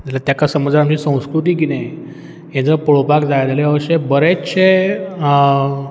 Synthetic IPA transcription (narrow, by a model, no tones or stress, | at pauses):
d͡zilat̪jakasəməd͡zaamt͡ɕisə̃w̃skɾut̪̬iːkine | ẽnd͡zɾəpəɭopakd͡zajd̪aleaʋəɕebəɾeɕʰe